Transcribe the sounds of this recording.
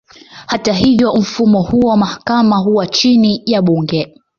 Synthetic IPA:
hataɦivjɔm̩fumɔhuɔwmahakamaɦuwat͡ʃinijaɓuŋɡɛ

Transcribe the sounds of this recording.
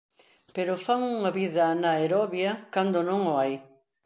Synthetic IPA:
peɾʊfaŋuŋɐβiðɐnɐeɾɔβjɐkand̪ʊnõŋʊaj

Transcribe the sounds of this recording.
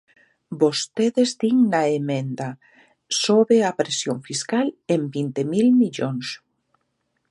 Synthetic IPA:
bost̪eðezd̪iŋnaemẽnd̪a | soβeapɾesjoɱfiskalembint̪emilmiʎoŋs

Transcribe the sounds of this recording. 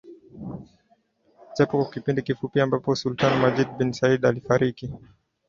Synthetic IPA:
t͡ʃapɔkwakipindikifupiambapɔsultanɔmad͡ʒid̚binsaidalifaɾiki

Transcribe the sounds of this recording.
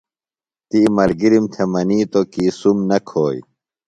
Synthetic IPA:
t̪imɐlɡiɾimt̪ʰemɐniːt̪okiːsumnɐkʰoːj̰

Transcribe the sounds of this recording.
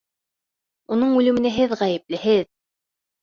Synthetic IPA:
unɤɴʉlɘ̆mɘ̆næɦɘðʁæjɘ̆p̚lɘ̆ɦɘð

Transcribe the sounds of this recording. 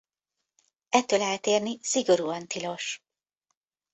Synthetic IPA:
ɛt̪ːøːlaːt̪eːrnisiɡo̞ɾuːɒnt̪ilo̞ʃ

